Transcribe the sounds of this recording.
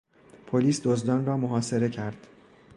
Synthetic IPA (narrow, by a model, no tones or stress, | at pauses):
pʰoliːsd̪ozd̪ɒːnrɒːmoɦɒːse̞ɾe̞cʰæɾd̪̥